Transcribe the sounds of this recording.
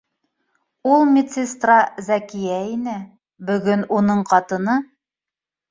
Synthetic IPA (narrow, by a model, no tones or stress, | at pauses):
ulˠmʲɪt̪sest̪rɑzækijæinɘ | bɵ̆ɡɵnunɤɴqɑt̪ɤ̆nɤ